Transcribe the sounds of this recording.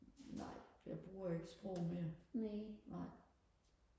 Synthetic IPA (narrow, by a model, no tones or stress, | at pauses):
nɑ̰̈ɪ̰jɑ̈ɪb̥ʁuːɐeɡ̥əsb̥ʁɔ̰ʊmeɐnenɑɪ̰